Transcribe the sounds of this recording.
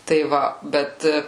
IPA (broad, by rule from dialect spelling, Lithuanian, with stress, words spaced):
tɐɪ ˈʋɐ ˈbʲɛt